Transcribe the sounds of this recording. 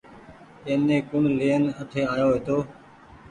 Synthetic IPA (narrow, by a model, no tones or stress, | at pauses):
ẽːnẽːkʊɳleːənəʈ̪ʰeːaːjoːʋeːt̪oː